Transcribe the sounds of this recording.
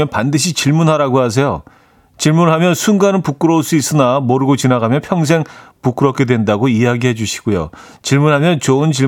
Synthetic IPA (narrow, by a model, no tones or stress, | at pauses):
ʌnpandɯɕ̬ʰit͡ɕiɭmunɦaɾaɡoɦas̬ʰe̞jo̰ | t͡ɕiɭmunɦamjʌnsʰunɡanɯɭpuk͈ɯɾʌuɭs͈uis͈ɯnamoɾɯɡot͡ɕinaɡamjʌnpʰjʌŋs̬ʰe̞ŋpuk͈ɯɾʌp̚k͈e̞dwe̞ndaɡoijaɡiɦe̞d͡ʑuɕʰi̥ɡ̥ojo̰ | t͡ɕiɭmunɦamjʌnt͡ɕoɯnt͡ɕi